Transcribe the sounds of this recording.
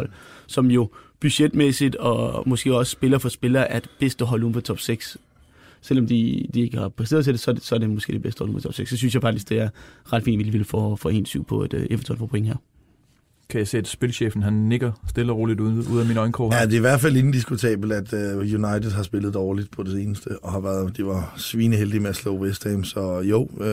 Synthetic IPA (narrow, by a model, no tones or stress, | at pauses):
l̰sɒ̽mjo̝b̥yɕed̥mesid̥ɒmɔ̽sɡ̥e̝̰ːɒ̽sə̥sb̥e̝lɐfɒ̽sb̥e̝lɐːʔæɐd̥b̥esd̥əɦɒ̽luːmfɒt͡sʰɒ̽b̥seɡ̥s | sel̰ɒ̽md̥id̥ie̝ɡ̥əhɑ̈pʰʁɛse̝̰ɐðˠʰe̝d̥e̝sɒ̽sɒ̽æɐdemɔ̽sɡ̥ḛde̝besd̥əhɒ̰lṵm̩fɒ̥t͡sʰɒ̽b̥se̝ɡ̥sːɒ̽s̬ynsjɑfɑ̈ɡ̥̚d̥isɡ̥d̥e̝æɐʁɑ̈d̥fḭːndʋidliʋilfɒfɒe̝̰ːnsyʊ̰pʰɒ̽æd̥ʔefə̥t͡sʰɒ̰nfɒ̰ːpʰoɔe̝ŋɦæɐ̰ | kʰæjɑse̝̰ːæd̥sb̥e̝lɕḛːfn̩ɦænːe̝ɡ̥ɐsd̥e̝lɒʁo̝ːlid̥uuð̰ˠæminɒ̽ɪnkʰɒ̰ːæd̥e̝iʋæɐd̥fæle̝n̩d̥isɡ̥ut͡sʰɛ̰ːb̥l̩d̥æd̥øjunɑ̈ɪd̥ð̩ˠɦɑ̈sb̥e̝ləð̞̩ˠd̥ɒːlid̥pʰɒ̽d̥e̝se̝ːnəsd̥əɒ̽hɑ̈ʋæɐðˠd̥e̝ʋɑ̈sʋiːnəɦeld̥imeæslo̰ːwesd̥eːmsɒ̽jo̰ː